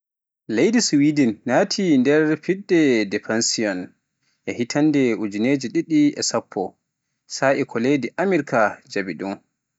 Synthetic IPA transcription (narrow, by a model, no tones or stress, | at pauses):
lejdiswidinːaːtʰindɛɾfiɗːɛdɛfansiɔn | ʔɛhitʰandɛud͡ʒineːd͡ʒiɗiɗiʔɛ̰sapʰːɔ | saʔɛkʰɔlediʔamiɾkad͡ʒabidum